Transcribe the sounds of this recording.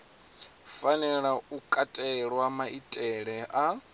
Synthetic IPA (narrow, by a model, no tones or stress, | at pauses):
fanɛɺaukʼatʼɛɺwamaʔitʼɛɺɛʔa